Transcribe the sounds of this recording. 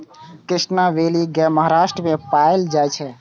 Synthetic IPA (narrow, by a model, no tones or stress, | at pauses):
kɾɪsnaʋeliɡɛməɦaɾasʈɾəmepaeld͡ʒaɛt͡ʃʰɛ